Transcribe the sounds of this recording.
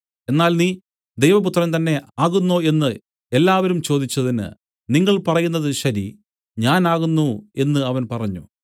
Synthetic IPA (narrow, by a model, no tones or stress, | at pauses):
e̞nːaːlniː | d̪e̞jʋɐput̪rɐnt̪ɐnːe̞aːɣunːo̞ːe̞nːɨ | e̞lːaːʋɐɾumt͡ɕo̞ːd̪it͡ɕːɐðinɨ̰ | niŋːɐɭpɐrɐjunːɐðɨɕɐɾḭ | ɲaːnaːɣunːue̞nːɨɐʋɐnpɐrɐɲːṵ